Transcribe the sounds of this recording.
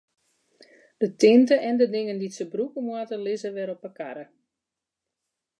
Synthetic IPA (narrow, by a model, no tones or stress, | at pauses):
d̥ətɪntəʔɛndədɪŋənditsəbrukəmwatəlɪzəʋɛɾɔpəka̰ɾə